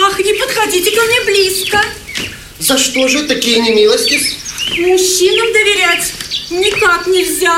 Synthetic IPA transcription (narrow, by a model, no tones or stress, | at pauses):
axnʲɪpət̪xɐdʲitʲɪkɐmnʲeblʲiskə | zɐʂt̪o̞ʐɨt̪ɐkʲijənʲɪmʲilˠəsʲtʲɪsmʊɕːinəmd̪əvʲɪɾʲætʲnʲɪkaknʲɪlʲzʲa